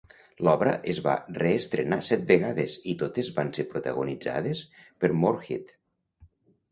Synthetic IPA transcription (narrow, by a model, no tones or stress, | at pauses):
lɔβɾəʔezβa̰reːst̪ɾenasɛt̪̚beɣaðezit̪ot̪ezβansepɾut̪əɣunid͡za̰ðespəɾmoɾxit̪